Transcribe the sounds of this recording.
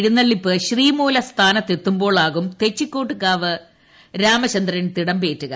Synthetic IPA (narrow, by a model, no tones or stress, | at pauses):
ɽunːɐɭːipːɨɕriːmoːlɐst̪ʰaːnɐt̪ːe̞t̪ːumbo̞ːɭaːɣumt̪e̞t͡ɕːikʲːo̞ːʈːɨkːaːʋɨ | ɾaːmɐɕɐnd̪rɐnt̪iɽɐmbe̞ːtːuɣɐ